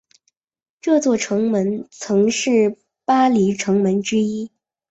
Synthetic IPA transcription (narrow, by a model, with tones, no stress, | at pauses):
ʈ͡ʂɤ˥˧t͡swɔ˥˩ʈ͡ʂʰɤ˧˥ŋmə˧˥nt͡sʰɤ˧˥ŋʂɻ̩˥˩ | pa˥li˧˥ʈ͡ʂʰɤ˧˥ŋmə˧˥nʈ͡ʂɻ̩˥i˥